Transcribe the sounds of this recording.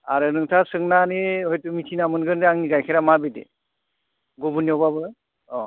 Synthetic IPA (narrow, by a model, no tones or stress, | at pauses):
aɾɯnɯŋtʰasɯŋnaneɦojtɯmitʰinamɯnɡɯndeaŋniɡajkʰeɾamabedḛ | ɡɔbuniɔbabɯ | ɔ